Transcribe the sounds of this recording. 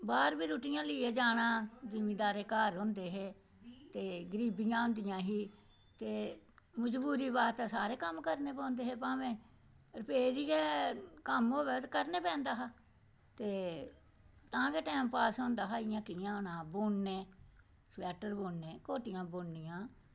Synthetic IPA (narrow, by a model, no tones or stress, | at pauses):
baːɾbiːɾuːʈɪjãːlɪeːd͡ʒaːɽãːd͡ʒɪmĩːd̪aːɾeːkaːɾɦʊ̃ːnd̪eːɦeː | t̪eːɡəɾiːbɪjãːɦʊ̃nd̪ɪjãːɦiː | t̪eːməd͡ʒbuːɾiːbaːt̪asaːɾeːkəmkəɾneːpɔ̃ːnd̪eːɦeːpãːʋẽː | ɾəpeːd͡ʒiːeːkəmɦoːbɛːt̪kəɾneːpɛ̃ːnd̪aːɦaː | t̪eː | t̪ãːɡeːʈɛːmpaːsɦõːnd̪aːɦaːɪjãːkɪjãːɦoːnãːboːɳːeː | sʋɛːʈəɾboːɳneːkoːʈɪjãːboːɳːɪjãː